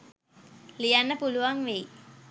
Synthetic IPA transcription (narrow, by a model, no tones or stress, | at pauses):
lijanːəpuluʋaŋʋej